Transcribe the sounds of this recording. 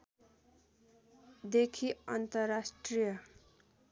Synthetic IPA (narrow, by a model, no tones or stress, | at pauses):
d̪ekʰiʌnt̪ʌrasʈrijʌ